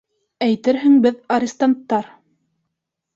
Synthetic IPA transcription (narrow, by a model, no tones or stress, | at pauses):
æjt̪ɘɾɦɘ̆ŋbɘðɐɾʲɪst̪ant̪ːɑɾ